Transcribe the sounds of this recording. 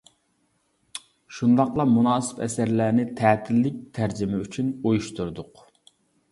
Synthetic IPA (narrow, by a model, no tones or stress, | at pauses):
ʃund̪ɑqlˠɑmunɑːsɪ̥pɛ̰sæɾlæːnɪt̪ʰæːt̪ʰɪlːɪk̚ʲt̪ʰæɾd͡ʒɪmɛyt͡ʃʰynojuʃt̪uɾd̪ʊq